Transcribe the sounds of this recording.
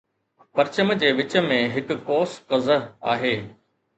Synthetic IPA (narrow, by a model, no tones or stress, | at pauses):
pɐɾt͡ɕəmd͡ʑeːʋɪt͡ɕə̆mẽɦɪkkoːskɐzəa̰ːɦeː